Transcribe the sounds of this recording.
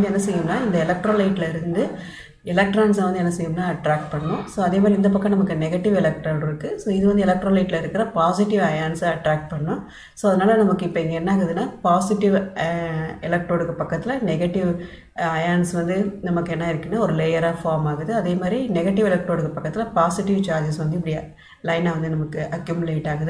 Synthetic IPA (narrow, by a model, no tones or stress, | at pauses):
ɛnːɐsɛjɯmnaːɪnd̪ɐɪlɐk̚ʈɾoːlɐɪʈːɪlɐɪɾɯnd̪ɯ | ɪlɐk̚ʈɾaːns̬ɐʋɐnd̪ɯɛnːɐsɛjːɯmnaːɐʈɾaːk̚ʈ̚pɐɳːɐnʊ̃soːɐðeːmad̪ɾɪnd̪ɐp̬ɐkːɐ̃nɐmɐkːɯnɛɣɐʈːɪʋɛlɐk̚ʈɾaːɳɪɾɯkːɯsoːɪðɯʋɐnd̪ɯɛlɐk̚ʈɾoːlɐɪʈːɪlɐɪɾɯkːɪɾɐpaːsɪʈːɪʋɐjaːnsaɐʈɾaːk̚ʈ̚pɐɳɐːʊ̃ | soːɐðɐnaːlɐnɐmɐkːɯɪpːɐɛŋɡɐɛnːaːɣɯðɯnːaːpaːsɪʈɪʋ | ɛlɐk̚ʈoːɽɯkːɐpɐkːɐt̪ːɪlɐnɛɣɐʈːɪʋ | ɐjaːnsʋɐnd̪ɯnɐmɐkːɯɛnːaːɪɾɯkːɐnːɯɔɾɯlejɐɾaːfaːɾmaːɣɯðɯɐðeːmaːd̪ɾinɛɣɐʈːɪʋɛlɐk̚ʈoːɽɯkːɐpɐkːɐt̪ːɪlɐpaːsɪʈɪʋt͡ʃaːɾd͡ʒɐsʋɐnd̪ɯɪp̬ːɐɽɪjɐ | lɐɪnaʋɐnd̪ɯnɐmɐkːɯʔɐkjʊmɯleːʈːaːɣɯðɯ